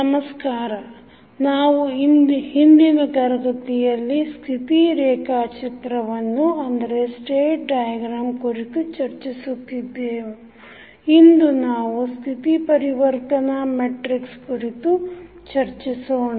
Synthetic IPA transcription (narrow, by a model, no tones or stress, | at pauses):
nɐmɐskaːɾɐ | naːʋuind̪hind̪inɐt̪ɐɾɐɡɐt̪ijɐlːist̪ʰit̪iɾɛːkaːt͡ʃɐt̪ɾɐʋɐnːuɐnd̪ɐɾesʈeːʈ̚ɖajɐɡɾaːmkuɾit̪ut͡ʃɐɾt͡ʃisut̪ːid̪ːeːʋu | ind̪unaːʋust̪ʰit̪ipɐɾiʋɐɾt̪ɐnɐmeʈɾikskuɾit̪u | t͡ʃɐɾt͡ʃisoːɳa